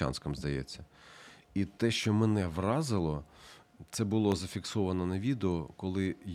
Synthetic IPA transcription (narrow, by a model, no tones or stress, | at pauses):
ɑ̰nskɐmzd̪ɐjɛ̰t͡sʲːɐ | it̪ɛʃt͡ʃɔmenɛʋrɑzɪlˠɔ | t̪sɛbʊlˠɔzɐfʲiksɔʋɐnɔnɐʋʲid̪eɔkɔlˠɪ